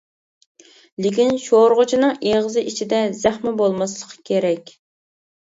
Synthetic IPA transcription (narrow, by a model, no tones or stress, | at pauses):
lɪkʲinʃoɾʁʊt͡ʃʰinɨŋeʁəzɨʔit͡ʃʰid̪ɛzæχmɛbolˠmɑslˠəqʰkʲʰeɾɛkʲ